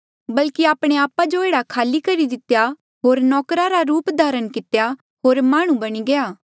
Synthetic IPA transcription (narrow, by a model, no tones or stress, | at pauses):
bɐlkiaːpɽ̃eaːpad͡ʒoeːɽakʰaːlikɐɾid̪ɪt̪ja | ɦoːɾnɔːkɾaɾaɾuːpd̪ʱaːɾənkɪt̪ja | ɦoːɾmaːɽ̃ũbɐɽ̃iɡeaː